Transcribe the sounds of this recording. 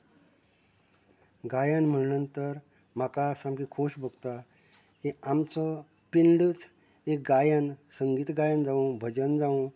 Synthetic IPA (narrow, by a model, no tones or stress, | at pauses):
ɡajənm̤əɽnənt̪əɾ | m̤akasamkikʰoɕbʱoɡt̪a | kiamt͡sɔ | piɳɖət͡s | ek̚ɡajənsəŋɡiːt̪ɡajənd͡zaũbʱəd͡ʑənd͡zaũ